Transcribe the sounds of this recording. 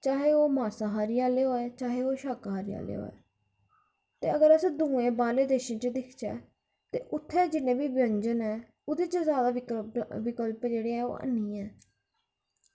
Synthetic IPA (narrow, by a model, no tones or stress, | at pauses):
t͡ʃaːɦeːoːmaːsaːɦaːɾijaːleːɦoːɛːt͡ʃaːɦeːoːʃakɦaːɾija̰ːlḛːɦo̰ːɛ̰ː | t̪eːəɡəɾəsẽːd̪ũːẽːbaːleːd̪eːʃĩːt͡ʃd̪ɪkʰt͡ʃɛ̰ː | t̪ḛːʔʊt̪ʰːɛːd͡ʒɪnẽːbiːbə̃ɲd͡ʒənɛː | ʊd̪eːt͡ʃəzjaːd̪aːʋɪkəlpd͡ʒeːɽeːɛːo̰ːʔə̰nːiːɛː